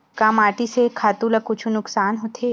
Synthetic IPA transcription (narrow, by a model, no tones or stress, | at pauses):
kaːmaːʈisekʰaːt̪ũlɐkːʊt͡ʃʰunʊksaːnɦoːt̪ʰeː